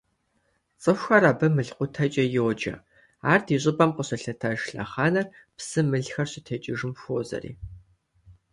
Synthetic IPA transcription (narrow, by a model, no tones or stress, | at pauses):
t͡sʼɨfʷxɐɾabɐmɨɮqʷʊtʰɐt͡ʃʼɐjɪwd͡ʒɐ̰ | aːrdʰiːɕ̬ʼɪbʼɐmqəɕɐɬɐtʰɐʒɬɐ̰χɑːnɐr | psɨmɨɮxɐrɕitʰɐt͡ʃʼɪʒɨmfʷoːzɐ̰rḭː